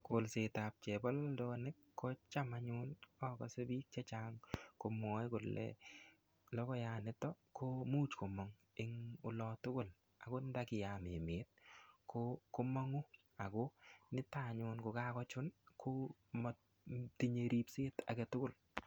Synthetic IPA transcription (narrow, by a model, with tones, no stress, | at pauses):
kʊ˨lse˨ta˨p̚t͡ʃɛ˨bɔ˦ldɔ˦nɪ˦kːɔ˦t͡ʃa˦ma˨ɲʊ˦nɔ˦kɔ̰˨se˦bi˦k̚t͡ʃɛ˦t͡ʃaŋko˨mɔ˦jkʊ˨lɛ̰ | lɔ˦kɔ˦ja˨nɪ˨˦tɔ˦ | kʰo˦mu˦t͡ʃko˨mɔ˦ŋ | ɪ˦ŋʊ˨lɔ˨tʊ˦kʊ˦l | a˨ko˦n˦da˦kɪ˨ja˨me˨me˨t̚kʰokʊ˦mɔ˦ŋu˦ | a˨ko˦nɪ˦ta˨ɲʊ˧nkʊ˨ka˦kɔ˦t͡ʃʊ˦nkʰʊ˦mɔ˨ | ti˦ɲe˨ɾi˦pseː˦ta̰˨kɛ˨tʊ˦kʊ˦˨l